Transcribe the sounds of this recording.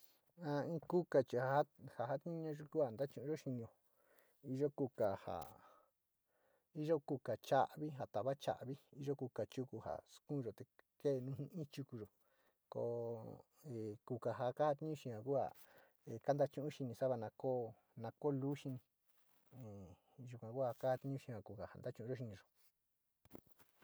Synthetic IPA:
ã˧ĩ˦ku˦ka˨t͡ʃi˧˨ha˨˧ha˦ha˨ɦa˦t̪i˦ɲũ˦˧ʒo˧ku˦ha˨nd̪a˦t͡ʃũ˧ʔũ˧ʒo˦ʃi˧ɲ˧õ˧ | i˧ʒo˦ku˧ka˨ha̰˨ | i˦ʒo˦ku˧ka˨t͡ʃa˦ʔβi˦ɦa˨t̪a˨βa˦t͡ʃa̰˨ʔβi˦i˧ʒo˦ku˧ka˨t͡ʃu˧ku˧ha̰˨skũ˦˧ʒo˨t̪e˨ke˦˨˧nũː˦hĩ˧ĩ˦t͡ʃu˧ku˧ʒo˨ | ko̰˧ | e˨ku˧ka˨ɦa˧ka˦ha˧t̪i˦ɲũ˦ʃĩ˧hã˨ku˦ha̰˨ | e˨ka˦nd̪a˧˦t͡ʃũ˦ʔũ˦˧ʃi˧nĩ˧sa˦βa˧nã˧ko˦ | nã˧ko˦lu˦ʃi˧nĩ˧ | ẽ˨ | ʒu˧kʷã˨˧ku˦ha˧ka˦ha˧t̪i˧˦ũ˦ʃĩ˧hã˨ku˧ka˨ha̰˨nd̪a˦t͡ʃũ˧˦ʔũ˧˦o˦ʃ̬i˧nĩ˧ʒo˨

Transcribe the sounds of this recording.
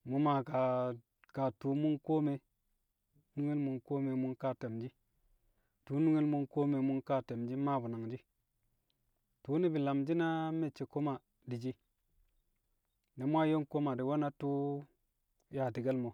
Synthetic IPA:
mu˨ma˨ka˨ | ka˨tu˨˦mu˦nko˦me˨ | nu˦ŋi˦lmu˨nko˦me˨mu˦nka˦te˨md͡ʒi˦ | tu˦nu˦ŋi˦lmu˦nko˦me˨mu˦nka˦te˨md͡ʒi˦ma˦bu˨na˨ŋd͡ʒi˦ | tu˨˦ni˦bi˨la˨md͡ʒi˦na˦me˦˨t͡ʃːe˨ko˦ma˨ | di˨d͡ʒi˦ | ne˨mʷ˦a˦jo˦nko˦ma˨di˨wo˦na˦tu˦ | ja˨ti˨ɡe˦lmo˨

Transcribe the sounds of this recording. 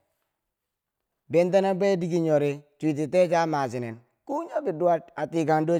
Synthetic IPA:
be˦nt̬a˦na˦be˦di˦ɡi˦ɲo˨ɾe˦tʷi˨t̬i˨te˦d͡ʒa˦ma˨si˨nḛ˨n | ku˦ɲo˦bi˨du˦wa˦ta˨ti˨ka˨ndo˦

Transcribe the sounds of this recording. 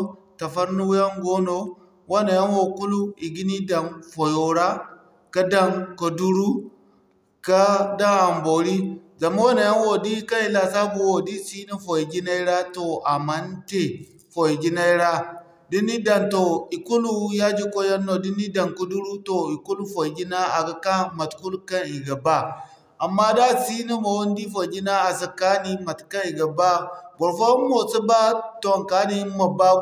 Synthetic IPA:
ta˨fa˦ɾnu˦ja˦ŋɡo˦no˦ | wa˦na˨ja˦nwo˨ku˦lu˦i˨ɡi˦ni˦da˨nfo˨jo˨ɾa˦ | ka˦da˨ŋko˨du˦ɾu˦ | ka˦da˦a˨mbo˨ɾi˦za˨ma˦wa˦na˨ja˦n˦wo˨di˦ka˦ni˨la˨sa˦bu˨˦wo˨di˦si˦na˦fo˨e˨ɡi˦na˦i˦ɾa˦to˨ʔa˨ma˦nte˨ | fo˨je˨d͡ʒi˦na˦i˦ɾa˦ | di˦ni˦da˨nto˨i˨ku˦lu˦ja˦d͡ʒi˦kʼo˦ja˦nːo˨di˦ni˦da˨ŋku˦du˦ɾu˦to˨i˨ku˦lu˦fo˨i˨ɡi˦na˦a̰˨ɡa˦ka˦ma˨tku˦lka˦ni˨ɡa˨ba˦ | a˨mːa˦da˦si˦ni˦mo˨wo˦ndi˦fo˨ɡʲi˦na˦a˨sa˨ka˦ni˦ma˨tka˦ni˨ɡa˨ba˦ɡo˨ɾfo˦mo˨t͡si˦ba˦to˨ŋ˨ka˨˦ni˦ma˨ba˦

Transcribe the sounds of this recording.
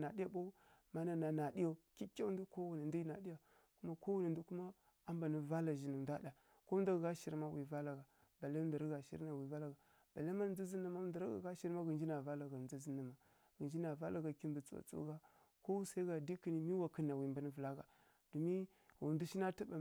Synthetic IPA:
na˨di˦ja˦bo˦ma˦na˨na˨na˨di˦ja˦˨ki˦kʲa˦u˦du˦ko˦wu˨ni˨n˦di˦i˦na˨di˦ja˨ | ku˦ma˦ko˦wu˦ni˨ndu˦ku˦ma˦ | a˦mba˨ni˦va˦la˨ʒi˨ni˨da˦da˨ | ko˦n˦da˦ɡɡa˦ʃi˨ɾma˦wi˨va˦la˨ɡa˨ | ba˨la˦nda˨ɾa˦ɡa˨ʃḭ˦ɾna˨wi˨va˦la˨ɡa˨ | b̥a˨la˦ma˦˨nd͡zi˦zi˦na˦ma˦nda˨ɾa˦ɡa̰˨ɡa˦ʃi˦ɾma˦ɡə˨nd͡ʒi˦na˨va˦la˨ɡa˨n˨u˦zi˦na˨ma˨ | ɡə˨nd͡ʒi˦na˨va˦la˨ɡa˨ki˦mdu˨t͡su˦wa̰˨t͡so̰˦ɡa˦ | ko˦sa˦i˦ɡa˨di˦ki˨ni˨mi˦wa˨kə˨˦na˨wi˨mba˨ni˦və˨la˦ɡa˨ | d̥u˨mi˦ | wu˨ndu˦ʃi˦na˦ti˦ba˨

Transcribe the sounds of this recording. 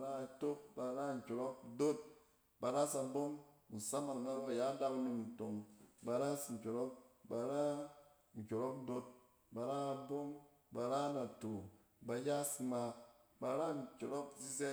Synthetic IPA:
a˨ɾa˦˨to˦k̚ba˨˧ɾa˦ŋ̩˨kʲo˨ɾɔ˦k̚do˦t̚ | ba˨ɾa˦sa˧bo˦ŋ˨n̩˨sa˦ma˨na˦ba˨ja˦da˦ku˦nu˧mn̩˨to˨ŋba˨˧ɾa˦sŋ̩˨kʲo˨ɾɔ˦k̚ba˨ɾa˦ | ŋ̩˨kʲo˨ɾɔ˦k̚do˦t̚ | ba˨ɾa˦a˧bo˦ŋ | ba˨ɾa˦na˨to˨ | ba˨ja˦si˧ma˧ba˧ɾa˦ŋ̩˨kʲo˨ɾo˦kzi˦ze˦

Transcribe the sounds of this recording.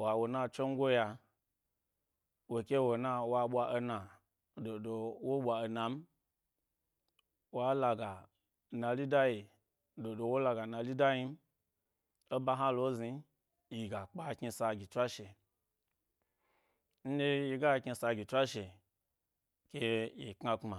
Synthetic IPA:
wa˨wo˨na˧t͡ʃo˦ŋ˦ɡʷo˦ja˧ | wo˨kʲe˦wo˨na˧wa˧ɓʷa˧ʔo˧na˨ | do˨do˧wo˦ɓʷa˨o˧na˨m̩˦ | wa˦la˧ɡa˨ | na˧li˦da˦ji˨ | do˨do˧wo˦la˧ɡa˨na˧li˦da˦ji˧m̩˦ | o˦ba˧ɦã˦lo˦zi˧ | ji˨ɡa˨k͡pa˦˧ki˧sa˧ɡʲi˨tʷa˦ʃe˨ | n̩˦de˦ji˧ɡa˦˧ki˧sa˧ɡʲi˨tʷa˦ʃe˨ | kʲe˧ji˨kŋa˧k͡pma˨

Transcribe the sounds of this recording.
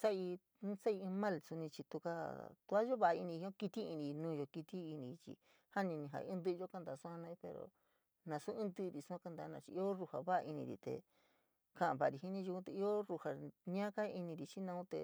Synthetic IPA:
sa˦i˧˦ | sa˦ĩ˧mã˦lsu˧nĩ˧t͡ʃi˧t̪u˧ka˦t̪u˧a˦jo˦βa˧a˧i˧nĩ˧˦õ˦ki˧t̪i˦i˧nĩ˧nũː˧˦˧jo˧ki˧t̪i˦i˧nĩ˧t͡ʃḭ˧ | ha˦nĩ˧nĩ˧ɦã̰˧˦nd̪ɨ˦˧o˦ka˦nd̪a˨˧˨su˦ã˧nã˧i˧pe˧ɾo̰˨ | nã˧su˦ɨ̃˦d̪ɨ˦˧ɾi˨su˧˦ã˦ka˧nd̪a˧˦nã˧t͡ʃḭ˧i˦o˦ru˧ha˨βa˦a˧ʔi˧nĩ˧ɾḭ˧t̪ḛ˨ | ka˧˨ã˨βa˧˨˧ɾi˧ɦi˦nĩ˦ʒu˧kũ˦t̪e˧i˦o˦ru˧ha˧˨ɲã˦ka˦˧i˧nĩ˧ɾi˨t͡ʃi˦nã˧ũ˦t̪ḛ˨

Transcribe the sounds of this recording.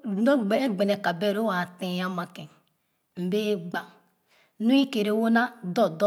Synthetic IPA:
no˦ɡ͡be˦ɡ͡be˨ne˨ka˨be˦˨ɾo˦wa˨tẽ˨ja˦ma˨ke˨ | m̩˨be˦ɡ͡ba˨ | nu˦i˦ke˨ɾe˨wo˦na˦do˦do˦

